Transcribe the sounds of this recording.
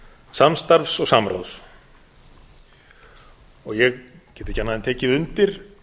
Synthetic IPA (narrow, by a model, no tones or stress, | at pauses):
samst̪aɾvfsɔɣsamɾa̰ws | ɔɣjɛɣcɛːt̪ɪ̥canaðɪnt̪ʰɛːcɪðʏnt̪ɪɾ̥